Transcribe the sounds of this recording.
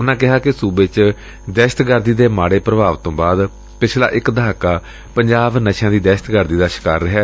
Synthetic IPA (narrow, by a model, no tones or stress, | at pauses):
ʊnãːkɪɦaːkɪsuːbet͡ʃ | d̪ɛːʃə̥t̪ɡəɾd̪iːd̪eːmaːɽeːpɾəbaːʋt̪õːbaːd̪ | pɪt͡ʃʰla̰ːʔɪkd̪əaːkaː | pəɲd͡ʒaːbnəʃãːd̪iːd̪ɛːʃət̪ɡəɾd̪iːd̪aːʃɪ̥kaːɾːəɦɛː